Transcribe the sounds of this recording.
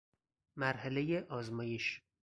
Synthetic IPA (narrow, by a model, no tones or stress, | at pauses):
mæɾhælejeʔɒːzmɒːjeʃ